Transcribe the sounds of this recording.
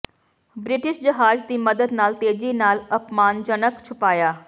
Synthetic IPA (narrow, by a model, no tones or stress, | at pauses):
bɾiʈiʃd͡ʑəɦaːd͡zt̪iːməd̪əd̪naːlt̪ed͡ʑiːnaːləpmaːnd͡ʑənəkt͡ʃʰupaːjaː